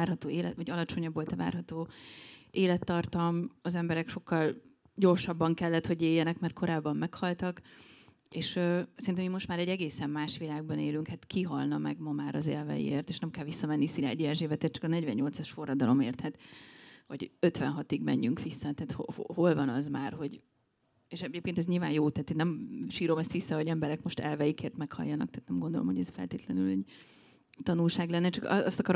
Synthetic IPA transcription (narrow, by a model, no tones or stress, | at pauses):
aːrɦɒt̪oːeːlɛt̪ɒɟɒlɒt͡ʃo̞ɲɒbːo̞lt̪ɛva̰ːrɦɒt̪oː | eːlɛt̪ːɒrt̪ɒmɒzɛmbɛɾɛkʃo̞kːɒl | ɟo̞rʃɒbːɒŋkɛlːɛt̪ho̞ɟeːjːɛnɛkmɛrt̪̚kʰo̞ɾaːbːɒmːɛkhɒlt̪ɒk | eːʃøːsɛɾint̪ɛmimːo̞ʃt̪maːɾɛɟːɛɡeːsɛmːaːʃʋilaːɡ̚bɒneːlyŋkhat̪kiɦɒlnɒmɛ̰ɡmɒmaːɾɒzḛːlvɛ̰jḭḛːrt̪eːʃnɛmkɛlʋisːɒmɛnːisila̰ːɟiɛʒeːvɛt̪eːrt͡ʃɒ̥kɒnɛɟvɛ̰ɲɲo̞lt̪sɒʃfo̞rːɒd̪ɒlo̞meːrt̪hɛt̪ʋɒɟø̞t̪ʋɛ̰nɦɒt̪iɡmɛ̰ɲːyŋkʋisːɒt̪ɛːt̪hohoho̞lvɒnɒzmaːrɦo̞ɟ | eʃɛeːpkeːnt̪ɛzɲilvaːnjoːt̪ɛɦːt̪eːnːɛmʃiːɾo̞mɛst̪ʋisːɒhoɟɛmbɛɾɛkmo̞ʃt̪ɛ̰lvɛjikeːrt̪mɛkhɒ̰jːɒnɒ̰k̚t̪ɛːt̪nɛmɡo̞nd̪o̞lo̞mhoɟɛsfɛ̰lt̪eːt̪lɛnylɛɟ | t̪ɒnulʃaːɡlɛnːɛt͡ʃɒkɒst̪ɒkɒɾo